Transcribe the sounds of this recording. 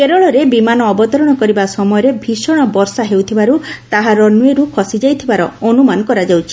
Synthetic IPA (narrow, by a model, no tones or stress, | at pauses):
keɾɔɭɔɾebimanɔːbɔt̪ɔɾɔɽ̃ɔkɔɾibasɔmɔjɔɾebʱisɔɽ̃ɔbɔɾsaɦewt̪ʰibaɾut̪aɦaɾɔnueɾukʰɔsid͡ʒajt̪ʰibaɾɔɔnumanɔkɔɾad͡ʒawt͡ʃʰi̥